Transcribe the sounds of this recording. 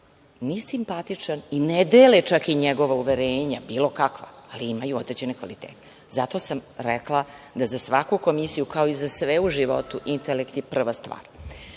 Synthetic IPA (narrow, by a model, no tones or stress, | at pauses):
nisimpat̪it͡ʂanined̪eːlet͡ʂakiɲeɡo̞ʋauʋeɾeːɲabiːlˠo̞kakʋa̰ːliimajuod̪ɾed͡ʑe̞nekʋa̰lit̪eːt̪e̥zat̪o̞samɾɛklˠad̪azasʋakuko̞misijukao̞izasʋeuʒiʋo̞̰t̪uʔint̪elekt̪ipr̩ʋast̪ʋa̰ːɾ